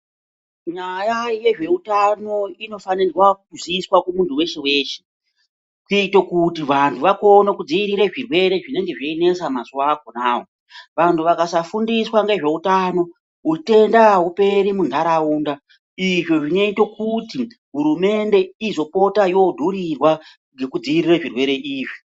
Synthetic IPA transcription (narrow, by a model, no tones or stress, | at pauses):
ɲajaje̞ʐe̞utano̞ino̞fanirwakkuziswakumuntʰuwe̞ʃeweːʃe̥ | kuiito̞kutiʋantʰuʋakonakud͡ziiɾiɾeʐirwe̞ɾe̞ʐine̞ŋɡe̞ʐeine̞samazuwako̞naːo | ʋantʰuʋakasafundiswaŋɡe̞ʐe̞utano̞ | ɦute̞ndaɦupe̞ɾimundaɾauːnda | iʐoʐineito̞kuti | ɦuɾume̞nde̞izo̞po̞tajo̞dʱuɾirwa | ŋɡekud͡ziiɾireʐirwe̞ɾe̞ʔiːʐi